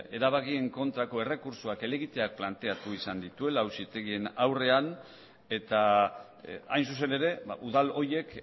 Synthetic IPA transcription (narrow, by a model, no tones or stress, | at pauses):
e̞ɾaβ̞akie̞ŋko̞nt̪ɾako̞e̞re̞kuɾsuake̞le̞ɣit̪e̞ak̚plant̪e̞at̪uisand̪it̪ue̞lawsit̪e̞ɣie̞nawre̞an | e̞t̪a | ajnsus̬e̞ne̞ɾe̞ba̰ʔuðalo̞je̞k